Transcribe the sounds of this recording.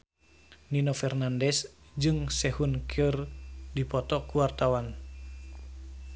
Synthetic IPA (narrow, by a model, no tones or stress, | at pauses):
ninofɛrnandɛs | d͡ʒɨŋsɛhunkʰərdipɔt̪ɔkuwart̪awan